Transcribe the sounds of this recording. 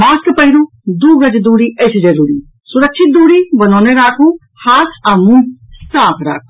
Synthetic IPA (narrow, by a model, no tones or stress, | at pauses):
maːskpəɦiɾuː | d̪uːɡəd͡ʒd̪uːɽiːʔesd͡ʒəɾuːɾiː | sʊɾəkʃʰɪt̪̚d̪uːɽiːbənɔːneɾaːkʰũ | haːt̪ʰamũːsaːpʰɾa̰ːkʰu̥